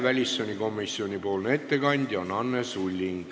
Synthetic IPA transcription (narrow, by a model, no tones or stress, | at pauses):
vælʲisːonʲiko̞mːisːio̞nʲipo̞ːlnee̞t̪ːe̞kɑnʲd̪̥ʲjɑonɑnːesulʲːiŋ̥